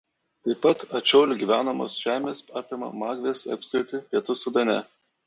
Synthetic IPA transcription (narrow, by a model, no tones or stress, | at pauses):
t̪ɐɪpɐt̪ɐt͡ʃʲoːlʲʊɡʲiːʋʲæːnɐmo̰ːsʒ̥ʲæːmʲeːsɑːpʲɪmɐ̰mɑːɡʋʲeːsɐ̰pʲsʲɪɾʲt̪ʲɪpʲiɛt̪ʊsʊd̪ɐnʲɛ